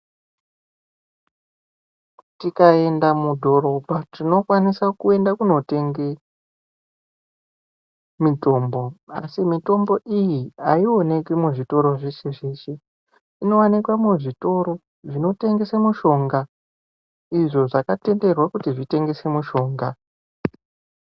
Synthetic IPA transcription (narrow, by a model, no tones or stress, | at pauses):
tikae̞ndamudʱo̞ɾo̞bʱatino̞kwanisakue̞ndakuno̞te̞ŋɡe | mito̞ːmbo̞asimito̞mbo̞ʔijiaio̞ne̞kimuʐito̞ɾo̞ʐeseʐet͡ʃe | ino̞wanikwamuʐito̞ɾo̞ | ʐino̞te̞ŋɡe̞semuʃo̞ŋɡa | iʐo̞ʐakate̞nde̞rwakutiʐite̞ŋɡe̞se̞muʃo̞ːŋɡa